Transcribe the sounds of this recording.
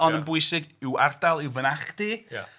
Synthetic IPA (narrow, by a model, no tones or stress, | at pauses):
ɔnənbʊɨsɪɡɪwardalˠɪwvənaχd̥ḭ